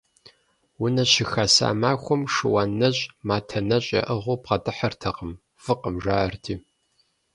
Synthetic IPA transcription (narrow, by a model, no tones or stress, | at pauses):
wʊnɐɕɪxasa̰ːmaːxʷɔmʂɨwaːnːɐɕʼmaːtʰɐnɐɕʼɐ̰ʔəʁʷʊpʁɐtʼɨħɐrtʰɐqəm | fɨqəmʒaːɐrtʰiː